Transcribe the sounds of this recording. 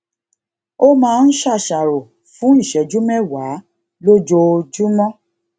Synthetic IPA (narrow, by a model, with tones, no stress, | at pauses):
o˦mãː˨˦˧n̩˦ʃa˦˨ʃa˨ɾo˨ | fũ˨˦i˦˨ʃɛ˨˦d͡ʒu˦mɛ˦˨wa˨˦ | lo˦d͡ʒo˧d͡ʒu˦mɔ̃˦